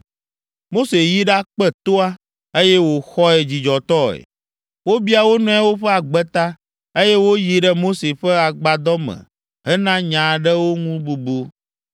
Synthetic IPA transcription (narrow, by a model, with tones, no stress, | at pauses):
mo˦se˨ji˦ɖa˦k͡pɛ˦t̪o˦a˦ | e˦jɛ˦wo˨xɔ˦ɛ˨d͡ʑi˨d͡ʒɔ˨t̪ɔ˦ɛ̰˨ | wo˦bi˦a˨wo˦nɔ̃˦a˦wo˦ɸɛ˦a˨ɡ͡bɛ˦t̪a˦ | e˦jɛ˦wo˦ji˨ɖə˦mo˦se˨ɸə˦a˨ɡ͡ba˨d̪ɔ˦mɛ̰̃˨ | ɦɛ˦nã˦ɲã˨ɖɛ˦wo˦ŋũ˦bu˨bu˦